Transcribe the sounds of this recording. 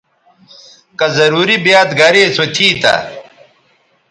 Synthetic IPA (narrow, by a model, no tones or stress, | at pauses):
kɐzɐɾuːɾibjaːt̪ɡɐɾeːsot̪ʰiːt̪ɐ̰